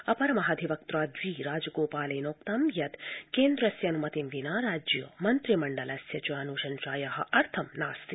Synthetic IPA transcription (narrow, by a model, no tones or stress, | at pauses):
ɐpɐɾɐmɐɦɐd̪ʱiʋɐk̚t̪ɾaːd̪ʋiːɾaːd͡ʒɐɡoːpaːlɐːnoːkt̪amjɐt̪keːnd̪ɾɐsjɐnumɐt̪imʋinaːɾaːd͡ʒjɐmɐnt̪ɾimɐɳɖɐlɐsjɐt͡ʃuaːnuʃɐnʃaːjɐɦɐ̆ʔɐɾt̪ʰɐmnaːst̪i